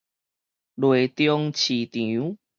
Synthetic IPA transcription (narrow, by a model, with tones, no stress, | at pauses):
lwe˨˩t̪jɔ˧ŋt͡ɕʰi˨˩t̪ju˨˦